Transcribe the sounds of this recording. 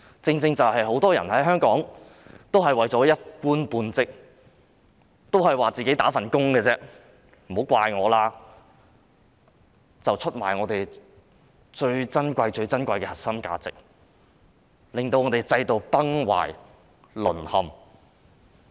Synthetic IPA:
t͡sɪ˧ŋt͡sɪ˧ŋt͡sɐ˨whɐ˨jɦo˨˥wt̪ɔː˥jɐ˨˩nhɐ˨˥jɦœː˥ŋkɔː˨˥ŋ | t̪o˥wɦɐ˨jwɐ˨jt͡sɔː˨˥jɐ˥t̚kuː˥npuː˧nt͡sɪ˥k̚ | t̪o˥whɐ˨˩jwaː˨t͡siː˨ke˨˥jt̪aː˨˥fɐ˨˩nkʊ˥ŋkɛː˧t͡sɛː˥ | m̩˨˩ho˨˥wkʷaː˧jŋɔː˨˧laː˥ | t͡sɐ˨wt͡ʃʰɵ˥t̚maː˨˩jŋɔː˨˧t̪e˨j | t͡ʃɵ˧ɥt͡sɐ˥nkʷɐ˧jt͡ʃɵ˧ɥt͡sɐ˥nkʷɐ˧jkɛ˧hɐ˨˩t̚sɐ˥mka̰ː˧t͡sɪ̰˨k̚ | lɪ˨ŋt̪o˧wŋɔː˨˧t̪e˨jt͡sɐ˧jt̪o˨˧wpɐ˥ŋwa̰ː˨˩j | lɵ̰˨˩nhɐ˨˧m

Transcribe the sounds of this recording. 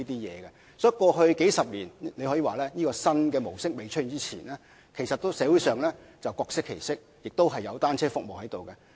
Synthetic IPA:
iː˥t̪iː˥jɛ̰ː˨˧ɡɛ˧ | sɔː˨˥jkɔː˧ɦɵ˧ɥke˨˥jsɐ˨p̚liː˨˩nle˨˧jhɔ˨˥iː˨˧waː˨lɛː˥jiː˥kɔː˧sɐ˥nkɛː˧mo˨˩wsɪ˥k̚me˨˧jt͡ʃʰɵ˥i˨˧nt͡siː˥t͡sʰḭː˨˩nlɛː˥ | kʰe˨˩jsɐ˨t̪ːo˥wsɛː˨˥wu˨˥jsœː˨ŋlɛː˥ | t͡sɐ˨wkɔː˧k̚sɪ˥kʰːe˨˩jsɪ˥k̚jɪ˨k̚t̪o˥wɦɐ˨jːɐ˨˧wt̪aː˥nt͡sʰɛː˥fʊ˨k̚mo˨whɐ˨˦jt̪o˨wkɛ˧

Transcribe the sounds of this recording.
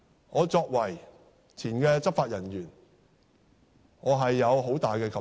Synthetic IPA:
ŋɔː˨˧t͡sɔː˧k̚wɐ˨˩j | t͡sʰiː˨˩nkɛː˧t͡sɐ˥p̚faː˧t̚jɐ˨˩njyː˨˩n | ŋɔː˨˧ɦɐ˨jːɐ˨˧wɦo˨˥wt̪aː˨jkɛː˧kʰɐ˨

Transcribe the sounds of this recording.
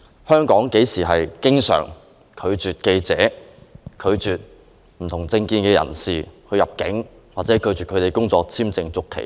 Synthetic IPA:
hœː˥ŋkɔː˨˥ŋke˨˥jsiː˨˩ɦɐ˨jkɪ˥ŋsœ̰ː˨˩ŋ | kʰɵ˨˧ɥt͡ʃyː˨t̚ke˧jt͡sɛː˨˥kʰɵ˨˧ɥt͡ʃyː˨t̚ | m̩˨˩t̪ʰʊ˨˩ŋt͡sɪ˧ŋkiː˧nkɛː˧jɐ̰˨˩nsiː˨hɵ˧ɥjɐ˨˩p̚kɪ˨˥ŋ | waː˨t̚t͡sɛː˨˥kʰɵ˨˧ɥt͡ʃyː˨kʰɵ˨˧t̪e˨jkʊ˥ŋt͡sɔː˧k̚t͡sʰiː˥mt͡sɪ˧ŋt͡sʊ˥kʰːḛ˨˩

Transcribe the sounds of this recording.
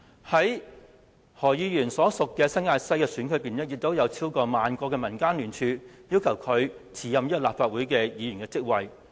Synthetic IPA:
hɐ˨˥j | hɔː˨˩jiː˨˧jyː˨˩nsɔː˨˥sʊ˨kːɛː˧sɐ˥ŋaː˧tsɐ˥jkɛː˧syː˨˥nkʰɵ˨˧˥piː˨nɐ˥t̚ji˨t̚t̪o˨˥wjɐ˨˧wt͡sʰiː˥wkɔː˧maː˨nkɔː˧kɛː˧mɐ˨˩nkaː˥nlyː˨˩nt͡ʃʰyː˨˧jiː˥wkʰɐ˨˩wkʰɵ˨˧ɥt͡sʰiː˨˧jɐ˨mji˥kɔ˧laː˨pfaː˧t̚wuː˨˥jkɛː˧jiː˨˧y˨˩nkɛː˧t͡sɪ˥k̚wɐ˨j

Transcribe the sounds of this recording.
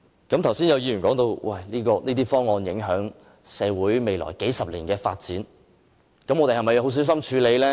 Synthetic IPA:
kɐ˨˥mt̪ʰwsiː˥njɐ˨˧wjiː˧jyː˨˩nkɔː˨˥ŋt̪o˧wwʔɐ˨˩jliː˥kɔː˧niː˥t̪̬iː˥fɔː˥ŋːɔː˧njɪ˨˥ŋɦœː˨˥ŋ | sɛː˨˧wuː˨˥jme˨jlɔ̰ː˨˩jke˨˥jsɐ˨p̚lḭː˨˩nkɛː˧fa̰ː˧t̚t͡siː˨˥n | kɐ˨˥mɔ˨˧t̪e˨˩hɐ˨˩mɐ˨˩jho˨˥ws̬iː˨˥wsɐ˥mt͡ʃʰyː˨˧le˨˧jlɛ˥

